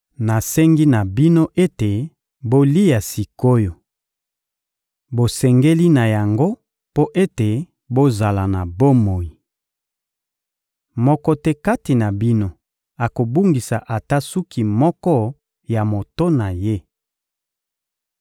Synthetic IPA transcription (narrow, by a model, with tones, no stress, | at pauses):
na˨sɛ˦ŋɡi˦na˨bi˦no˦ʔe˦te˨ | bo˦li˦ja˨si˨ko˦jo˨ | bo˨sɛ˨ŋɡe˦li˦na˨ja˨ŋɡo˦ | po˦ʔe˦te˨ | bo˦za˨la˨na˨bo˦mo˨ji˨ | mɔ˦kɔ˦tɛ˦ka˦ti˨na˨bi˦no˦ | a˨ko˨bu˦ŋɡi˨sa̰˨ʔa˨ta˦su˦ki˨mɔ˦kɔ˦ | ja˨mo˨to˦na˨je˦